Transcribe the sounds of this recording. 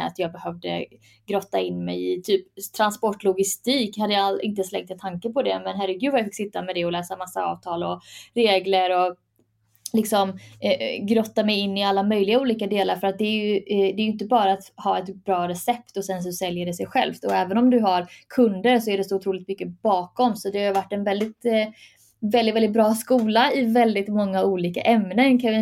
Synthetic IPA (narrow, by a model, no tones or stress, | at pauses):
a̰t̪jɑːɡ̚bɛhœvd̪ə̰ | ɡɾɔt̪ːaɪnːmɛ̰jɪt̪ʰyːpt̪ʰɾanspɔʈːlʊɡɪst̪iːkhad̪ːəjɑlɪnt̪əslɛ̰ŋt̪ɛt̪ʰaŋkəpɔd̪ɛ̰mɛnɦæɾɛɡʉ̟vajafɪkːsɪt̪ːamɛd̪ɛɔlɛːsamasːaɑ̰ːvt̪ʰɑːlɔɾeːɡləɾɔ | lɪksɔm | ɡɾɔt̪ːamɛjɪnːɪalːamœjlɪɡauːliːkad̪eːlaɾfœɾat̪̚d̪ɛːjɵd̪ɛːjʏɪnt̪̬əbɑːɾaːt̪hɑːɛt̪bɾɑːɾɛsɛpt̪ɔsɛns̬ɔsɛljəɖɛsɛjɧɛ̰lft̪ɔɛːvənɔmd̪ɵɦaɾkʰɵnd̪əɾsɔæɖɛsɔʊt̪ʰɾuːlɪkt̪mʏkːəbɑːkɔmsɔd̪ɛhajʏvaʈːɛnvɛld̪ɪt̪ | vɛld̪ɪt̪vɛlɪt̪̚bɾɑːskuːlaɪvɛld̪ɪt̪mɔŋːauːliːka̰ʔɛmnənkʰa